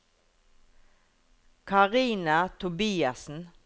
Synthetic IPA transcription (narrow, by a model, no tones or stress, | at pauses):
kʰɑʁiːnɑt̪ʰʊbiːɑsn̩